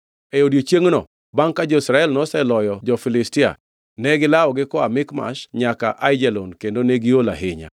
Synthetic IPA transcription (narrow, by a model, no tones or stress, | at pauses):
ɛodjot͡ʃjeŋnɔ̰ | baŋkad͡ʒɔisɾaɛlnɔsɛlɔjɔd͡ʒɔfɪlɪstɪa̰ | nɛɡɪlaɔɡɪkɔamɪkma̰ʃɲaka̰ʔaɪd͡ʒɛlɔnkendoneɡiola̰ɦɪɲa̰